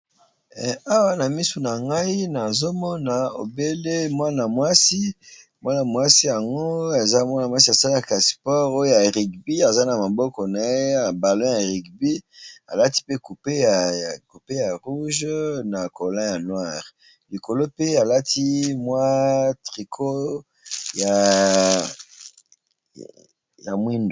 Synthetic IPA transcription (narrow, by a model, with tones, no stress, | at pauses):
a˦wa˦na˨mi˦su˨na˨ŋɡa˦i˦na˨zo˦mɔ˦na˨o̰˨be˦le˦mwa˦na˨mwa˦si˦ | mwa˦na˨mwa˦si˦ja˨ŋɡo˦e˨za˦mwa˦na˨mwa˦s̬i˦a˨sa˦la˨ka˨spɔ˦ʁo˦jo˦ja˨ʁi˨kbi˦a˨za˦na˨ma˨bɔ˦kɔ˨na˨e˦a˨ba˨lɔ̃˦ja˨ʁi˨kbi˦a̰˨la˦ti˦pe˦ku˨pe˦a˨ku˨pe˦ja˨ʁu˦ʒna˨ko˨lɛ̃˦ja˨nwa˦˨ʁ | li˨ko˨lo˦pe˦a˨la˦tʰi˦mwa˦tʁi˨kʰo˦ | ja˨ | ja˨mwi˦ndo˨